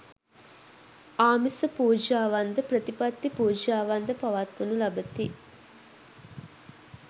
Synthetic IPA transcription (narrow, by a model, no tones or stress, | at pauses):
aːmisəpuːd͡ʒaːʋand̪əpɾət̪ipat̪ːipuːd͡ʒaːʋand̪əpɐʋat̪ʋɐnulɐbət̪i